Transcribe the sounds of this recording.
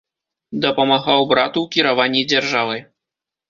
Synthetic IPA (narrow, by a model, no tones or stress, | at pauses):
d̪ɐpɐmaɣawbɾat̪uwkʲiɾavanʲːid͡zʲɛrʐavɨ